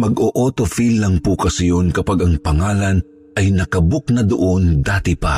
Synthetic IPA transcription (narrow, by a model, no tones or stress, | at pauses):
mɐɡoʔoːt̪ofilːɐŋpukɐsɪjonkɐpaɡɐŋpɐŋaːlɐn | ʔɐjnɐkɐbʊk̚nɐd̪ʊʔond̪aːt̪ɪpa